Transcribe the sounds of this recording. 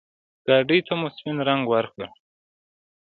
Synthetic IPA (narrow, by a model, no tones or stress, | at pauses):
ɡ̥ɑːɖijt̪ʰamʊspɪnɾaŋɡwaɾkə